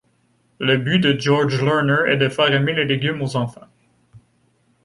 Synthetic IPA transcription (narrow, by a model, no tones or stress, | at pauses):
ləbyd̪əd͡ʒɔʁd͡ʒlɔnə˞ɛ̰d̪əfɛʁɛmeleleɡʲymozɑ̃fɑ̃